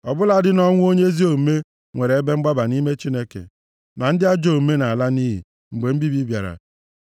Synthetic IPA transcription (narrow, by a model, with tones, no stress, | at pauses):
ɔ˨bʊ˦la˨dɪ˦nɔ˦ŋʷu˦o˦ɲe˦e˦zi˦o˨m̩˨me˦ | ŋʷe˨ɾe˨e˦be˦ŋ͡m̩˦ɡ͡ba˦ba˨ni˦me˦t͡ʃi˦ne˦kḛ˨ | na˨n̩˦dɪ˦a˦d͡ʒo˦˨m̩˦me˦na˨a˨la˦ni˦ɦḭ˨ | ŋ͡m̩˨ɡ͡be˨m̩˦bi˦bi˦bja̰˨ɾa̰˨